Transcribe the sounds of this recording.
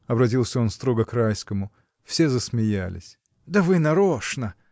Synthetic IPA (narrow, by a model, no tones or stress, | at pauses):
ɐbɾɐt̬ʲilˠsʲəo̞nst̪ɾo̞ɡəkɾajskəmʊ | fsʲezəsmʲɪjælʲɪ̰sʲ | d̪əvɨnɐɾoʂnə